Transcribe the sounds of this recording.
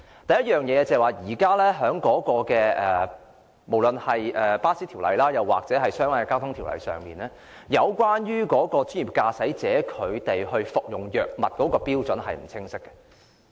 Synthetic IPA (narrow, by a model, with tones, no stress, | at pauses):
t̪ɐ˨˩jɐ˥t̚jœː˨˩ŋjɛː˨˧t͡sɐ˨waː˨jiː˨˩kaː˥lɛ˥ɦœː˨˥ŋkɔː˨˥kɔː˧kɛː˧ʔɛː˨ | mo˨˩wlɵ˨nhɐ˨jʔɛː˨paː˥siː˥t̪ʰi˨˩wlɐ̰˨jlaː˥jɐ˨˩wːa̰ː˨k̚t͡sɛː˨˥ɦɐ˨jsœː˥ŋwaː˨˧jɛ˨˧kaː˥wt̪ʰʊ˥ŋt̪ʰi˨˩wlɐ̰˨jsœ̰ː˨ŋmiː˨nɛː˥ | jɐ˨˧wkʷwaː˥njyː˥kɔː˨˥kɔː˧t͡sy˥jiː˨˩p̚kaː˧sɐ˨˥jt͡sɛː˨˥kʰɵ˨˧ɥt̪e˨jɦɵ˧ɥfʊ˨k̚jʊ˨˩ŋjœː˨˩k̚mɐ˨t̚kɔː˨˥kɔː˧piː˥wt͡sɵ˨˥nɦɐ˨jm̩˨˩t͡sʰɪ˥ŋsɪ˥kːɛ̥˧